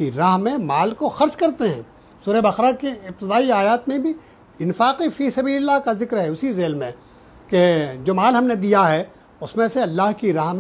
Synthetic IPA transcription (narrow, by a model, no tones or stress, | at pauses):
iɾaːɦmẽmaːlkoxɐɾt͡ʃkɐɾt̪eɦɛ̰̃ː | suːɾɛbɐxɾakiɪb̚t̪ɪd̪aːiaːjaːt̪mẽbʱi | ɪnfaːqifiːsɐbiːllːaɦkazɪkɾɦɛʊsizeːlmẽ | ked͡ʒoːmaːlɦɐmned̪ijaɦɛ | ʊsmẽseɐlːaːɦkiɾaːɦm